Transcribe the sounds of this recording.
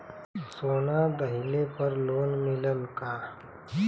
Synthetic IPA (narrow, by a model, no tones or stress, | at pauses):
soːnad̪əɦɪlepəɾloːnmɪləlkaː